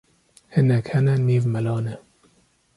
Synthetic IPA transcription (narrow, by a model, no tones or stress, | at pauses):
hɪnɛkhɛnɛniːvmɐlɑːnɛ